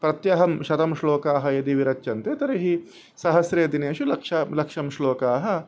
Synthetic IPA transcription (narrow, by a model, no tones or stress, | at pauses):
pɾɐt̪jɐɦɐmʃɐt̪ɐmʃloːkaːɦɐ̆jɐd̪iʋiɾɐt͡ʃːʃɐnt̪eːt̪ɐɾiɦi | sɐɦɐsɾeːd̪ineːʃulɐkʂalɐkʂɐmʃloːkaːɦɐ̆